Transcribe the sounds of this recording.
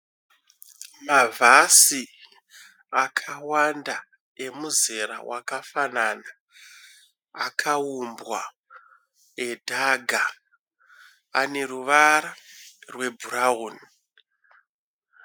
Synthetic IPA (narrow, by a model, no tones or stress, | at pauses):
mavʱasi | akʰawanda | e̞muzeɾa̰wakafanana | kʰaumbwa | edʱaɡʱa | a̰ne̞ruʋaɾarwe̞bʱurauni